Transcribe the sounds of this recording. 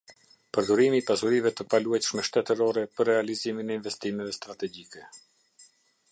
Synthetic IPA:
pəɾd̪uɾimiːpasuɾivɛt̪əpaluajt̪əʃmɛʃt̪ɛt̪əɾɔɾɛpərːɛaliziminɛinvɛst̪imɛvɛst̪ɾat̪ɛɡikɛ

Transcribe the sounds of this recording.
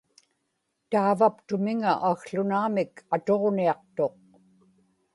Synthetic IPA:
t̪aːvapt̪ʊmɪŋaʔaɣɬʊnaːmɪkʰat̪o̞ʁniɑq̚t̪o̞q̚

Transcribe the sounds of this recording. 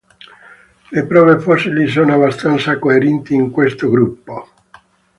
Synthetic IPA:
lepɾɔːvefɔsilis̬oːnoabast̪ant̪sakoeɾɛnt̪iːŋkwest̪oɡɾupːo

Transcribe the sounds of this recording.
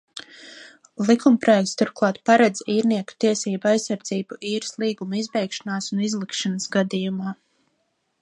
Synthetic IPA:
lˠikumpɾɔjɛkt̪st̪uɾ̚klˠɑːt̪paɾad̪ziːɾniɛku̥t̪iɛsiːbuajsːaɾd̪ziːbuʔiːɾslˠiːɡumuizbɛjkʃanaːsunizlˠikʃanəsɡad̪ijumaː

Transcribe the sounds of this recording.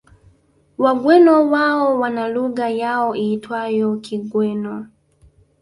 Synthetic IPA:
waɡwɛnɔwaɔwanaluɣajaɔiːtwajɔkʰiɡwɛnɔ

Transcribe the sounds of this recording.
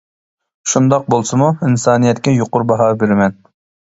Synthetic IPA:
ʃund̪ɑq̚bolˠsɨmuinsɑːnijɛt̪kʲɛjoqʊɾbɑɦɑːbeɾɪmɛn

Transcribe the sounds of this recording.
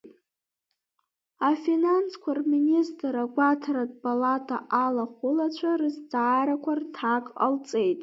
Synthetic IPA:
afinanskʷʰarministʼɾaɡʷatʰaɾadpʰʼalatʰa̰ʔalaχʷʊlat͡ɕʷʰarɨzd͡zaːɾakʷʰartʰakʼa̰lt͡sʼe̞jtʼ

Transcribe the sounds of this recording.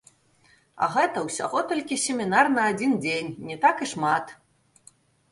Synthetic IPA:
ɐ̰ɣɛt̪ɐwsʲa̰ɣɔt̪ɔlʲkʲisʲemʲinarnɐːd͡zʲind͡zʲenʲnʲɛt̪akiʂmat̪

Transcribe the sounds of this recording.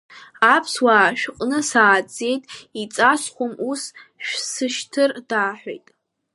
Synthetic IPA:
apʰswaːʃᶣqʼnɨsaːd͡zʼe̞jtʼit͡sʼasχʷomusʃᶣsɨʃtʰɨrdaːħʷᶣḛjtʼ

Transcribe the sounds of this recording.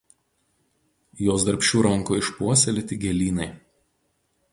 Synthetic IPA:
joːsd̪ɐɾʲpʲʃʲuːɾɐŋˑkoːɪʃpuɔsʲɛlʲɪt̪ʲɪɡʲɛlʲiːnɐɪ

